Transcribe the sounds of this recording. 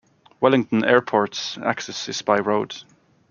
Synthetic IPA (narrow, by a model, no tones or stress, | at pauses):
wɛlɪ̃ŋtə̃n̩ɛ̰ːɹpʰɔɹtsa̰ksɛsɪsbaɪɹoʊd̥